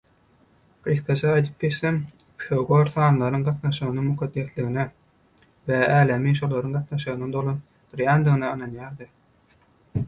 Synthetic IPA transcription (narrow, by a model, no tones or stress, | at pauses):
ɾisk̪ɑt͡ʃʰɑːjd̪ɯp̚ɡeʃθem | ʃoɡoɾθɑːnlˠɑɾɯŋɢɑt̪nɑʃɯɣɯnɯŋmuqʰɑd̪ːe̞θliɣine | veæːlæmiʃolˠɑɾɯŋɢɑt̪nɑʃɯɣɯnɯd̪olˠon | d̪̥ɯɾjæːnd̪ɯɣɯnɑɯnɑnjɑːɾd̪ɯ